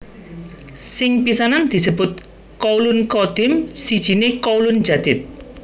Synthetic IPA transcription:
sɪŋpisanand̪̥i̤səb̥ʊt̪̚ | kɔulʊnkɔd̪̥ɪmsid̥ʒ̥i̤nekɔulʊn̥ʒ̥a̤d̪̥ɪt̪̚

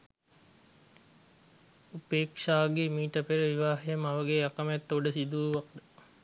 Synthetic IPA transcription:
upeːkʂaːɡemiːʈəpeɾəʋiʋaːɦejəmaʋəɡeakəmɛt̪ːoɖəsid̪uːʋak̚d̪ə

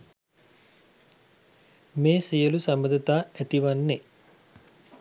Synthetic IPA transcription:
meːsijəlusambəd̪ət̪aːæt̪iʋanːe

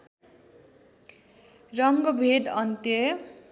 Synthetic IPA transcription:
rʌŋɡʌbʱed̪ʌnt̪jʌ

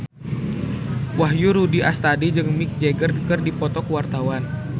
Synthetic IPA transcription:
wahjuɾudiʔast̪adid͡ʒɨŋmik̚d͡ʒeɡərkərdipɔt̪ɔkwart̪awan

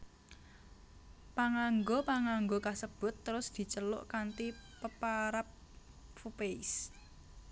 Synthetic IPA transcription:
paŋaŋɡopaŋaŋɡokasəb̥ʊ̤t̪ːəɾʊsd̪̥i̤t͡ʃəlʊ̰ʔkant̪ipəpaɾap̚ | fupeɪs

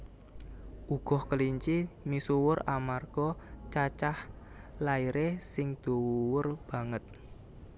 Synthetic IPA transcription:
ʔuɡ̥ɔ̤hkəliɲt͡ʃimisuwʊramarɡ̥ɔt͡ʃat͡ʃah | laiɾesɪŋd̪̥o̤wuwʊrb̥a̤ŋət̪̚

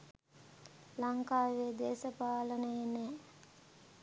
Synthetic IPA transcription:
laŋkaːʋeːd̪eːsəpaːlənəjenɛː

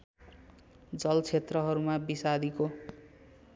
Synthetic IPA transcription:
d͡zʌlt͡sʰet̪rʌɦʌɾumabisad̪iko

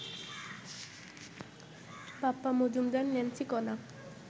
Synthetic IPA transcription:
papːamud͡ʒumd̪anːɛnsʰikɔna

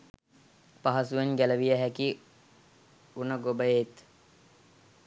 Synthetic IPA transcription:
paɦasueɲɡæləʋijəɦæki | unəɡobəjet̪

